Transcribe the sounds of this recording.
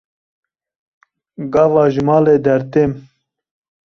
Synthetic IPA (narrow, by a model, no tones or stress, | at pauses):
ɡɑːvɑːʒmɑːleːd̪ɛɾt̪em